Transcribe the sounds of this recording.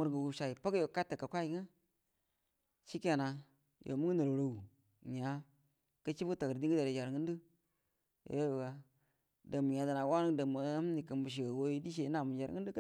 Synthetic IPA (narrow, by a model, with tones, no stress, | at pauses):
mu˦ɾɡə˨wu˦ʃa˨i˨pa˦ɡjo˨ka˦tːə˨ka˨kʷa˦ji˨˦ŋa˦ | ʃi˦ka˨na˨ | jʔo̰˨mu˦ŋ˦nə˨ɾɾo˨wu˨ | ɲa˨˦ | kə˦t͡ʃi˦bu˦ta˨kdi˦ŋ˦ɡə˦da˨ɾe˨d͡ʒa˨ɾŋə˦ndə˦ | jo̰˨˦jo˦˨wa˨ | da˨mu˨ɲa˨da˨na˨wa˦nə˦da˨mu˨˦m˦ni˨kə˨mbu˨ʃ̬i˨a˨wo˦i˦di˦ʃ̬e˨˦na˨mu˨d͡ʒa˨ɾŋə˦n˦du˦k